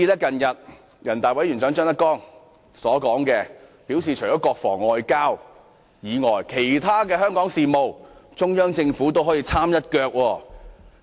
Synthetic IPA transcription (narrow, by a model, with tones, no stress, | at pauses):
i˧lɛː˥kɐ˨njɐ˨t̚ | jɐ˨˩nt̪aː˨jwɐ˨˥jy˨˩nt͡sœ˨˥ŋt͡ʃœː˥ŋt̪ɐ˥kɔː˥ŋ | sɔː˨˥kɔː˨˥ŋkɛː˧pi˨˥wsiː˨t͡ʃʰɵ˨˩ɔː˨˦˥kɔː˧k̚fɔ̰ː˨˩ŋːɔː˧jkaː˥w | jiː˨˧ŋɔː˨˩jkʰe˨˩jt̪ʰaː˥kɛː˧hœː˥ŋkɔː˨˥ŋsiː˨mo˨˧wt͡sʊ˥ŋjœː˥ŋt͡sɪ˧ŋfuː˨˥t̪̬o˥wɦɔː˨˥jiː˧t͡sʰaː˥mjɐ˥t̚kœː˧k̚wɔː˧